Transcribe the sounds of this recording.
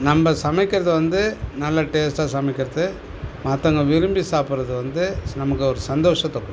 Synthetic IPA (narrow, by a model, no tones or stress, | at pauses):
nɐmbɐsɐmɪkːɪɾɐðɯʋɐnd̪ɯnɐlːɐʈeːsʈaːsɐmɪkːɪɾɐðɯ | maːt̪ːɐŋɡɐʋɪɾɯmbisaːpɯɾɐðɯʋɐnd̪ɯnɐmɐkːɯɔɾɯsɐnd̪oːʂɐ̃t̪ːɔkːɯ